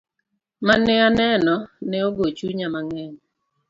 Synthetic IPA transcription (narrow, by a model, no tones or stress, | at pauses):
manɛanɛnɔnɛoɡot͡ʃuɲamaŋɛn